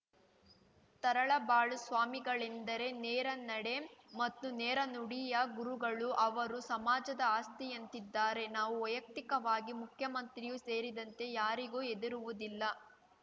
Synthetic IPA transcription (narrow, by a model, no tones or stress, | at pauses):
t̪ɐɾɐɭɐbaːɭusʋaːmiɡɐɭend̪ɐɾe̞nɛːɾɐnɐɽe̞mɐt̪ːunɛːɾɐnuɽijɐɡuɾuɡɐɭuʔɐʋɐɾusɐmaːd͡ʒɐd̪ɐaːst̪ijɐnt̪id̪ːaːɾe̞naːʋuʋɐjɐk̚t̪ikɐʋaːɡimukʰjɐmɐnt̪ɾijuse̞ːɾid̪ɐnt̪e̞jaːɾiɡuːed̪iɾuʋud̪ilːɐ